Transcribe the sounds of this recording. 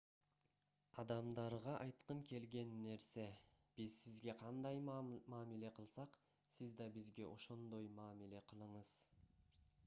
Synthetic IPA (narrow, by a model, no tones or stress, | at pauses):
ɑd̪ɑmd̪ɑɾʁɑʔɑjt̪qəŋkʲʰe̞lɡʲe̞nːe̞ɾse̞b̥izsizɡʲe̞qʰɑnd̪ɑjmɑːmile̞qʰəlˠsɑq | sɪzd̪ɑbizɡʲe̞ʔo̞ʃo̞nd̪o̞jmɑːmile̞qʰəlˠɯɴəz̥